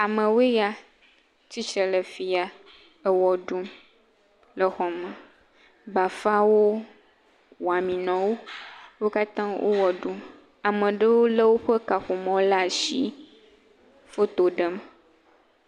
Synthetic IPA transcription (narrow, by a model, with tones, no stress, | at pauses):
a˨mə̃˨we˦ja˦ | t͡ɕi˦t͡ʃɾə˨lə˨fi˨a˨ | ə˦wɔ˨ɖu˦m | lə˨xɔ˨mə̃˨ | ba˨fa˦wo˦ | wɔ˨a˨mĩ˨nɔ̃˨wo˦wo˦ka˦t̪ã˦wʔo̰˦wɔ˨ɖu˦m | a˨mə̃˨ɖə˦wo˦lə˦wo˦ɸə˦ka˨xo˨mɔ̃˨˦la˦˨ʃḭ˦ | fo˦t̪o˨ɖə˦m